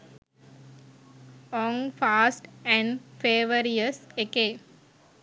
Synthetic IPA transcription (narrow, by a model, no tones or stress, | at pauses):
ɔ̃ŋfaːsʈɛ̃ɳfeːʋəɾiəsekeː